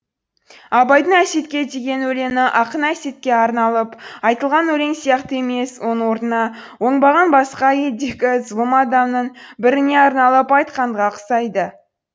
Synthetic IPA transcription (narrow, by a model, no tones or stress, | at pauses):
ɑbɑjd̪əɴæse̞t̪kʲe̞t̪ʰeɡʲe̞nwɵle̞mɪʔɑqənæse̞t̪̚kʲe̞ɑɾnɑlˠəpɑjt̪əlˠʁɑnwɵle̞ŋsijɑqt̪əe̞me̞swo̞nəwo̞ɾnənɑ | wo̞ɴbɑʁɑnbɑsqɑje̞ld̪e̞kʲɪzvˠəmɑd̪ɑmnəɴbɪɾɪne̞ɑɾnɑlˠəpɑjt̪qɑɴʁɑqʰə̥sɑjd̪ə